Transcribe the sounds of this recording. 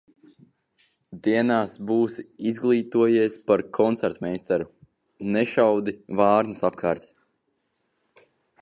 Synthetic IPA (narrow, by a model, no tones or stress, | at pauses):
d̪iɛnaːsbuːsizɡlˠiːt̪uɔjiɛspaɾkʰɔnt̪sɛɾt̪mɛjst̪ɛɾu | nɛʃawd̪ivɑːɾnɨsap̚kʰaːɾt̪